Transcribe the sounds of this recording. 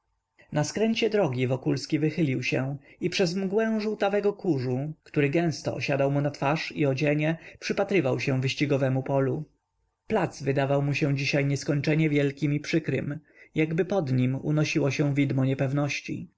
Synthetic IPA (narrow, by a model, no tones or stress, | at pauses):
naskɾɛɲt͡ɕɛd̪ɾɔɡʲivɔkulskʲivɘxɘlʲiwɕɛ̃ipʂɛzmɡwɛ̃w̃ʐuwt̪avɛɡɔkuʐukt̪uɾɘɡɛ̃w̃st̪ɔ̰ɔɕad̪awmunat̪faʂiɔd͡ʑɛɲɛpʂɘpat̪ɾɘvawɕɛvɘɕt͡ɕiɡɔvɛmupɔlu | plat̪svɘd̪avawmuɕɛ̃d͡ʑiɕajɲɛskɔɲt͡ʂɛɲɛvʲjɛlkʲimipʂɘkɾɘ̰m | jaɡbɘpɔd̪ɲimṵnɔɕiwɔɕɛ̃vʲid̪mɔɲɛpɛvnɔɕt͡ɕḭ